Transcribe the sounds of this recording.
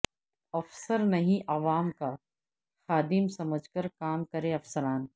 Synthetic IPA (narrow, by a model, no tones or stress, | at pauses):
ɐfsəɾnɐɦĩʔɐʋaːmka | xaːd̪ɪmsɐməd͡ʒʱkəɾkaːmkɐɾẽɐfsəɾaːn